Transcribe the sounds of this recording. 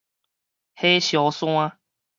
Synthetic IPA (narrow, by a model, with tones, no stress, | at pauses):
he˦ɕjɔ˨˦sw̃ã˦